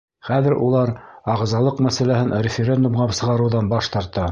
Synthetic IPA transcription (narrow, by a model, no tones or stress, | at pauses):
χæðɘɾʔulˠɑɾɑʁzɑlˠɤqmæsælæhɘnɾʲɪfʲeɾʲe̞nd̪umʁɑsɤ̆ʁɑɾɤ̆wðɑnbɑʃt̪ɑɾt̪ɑ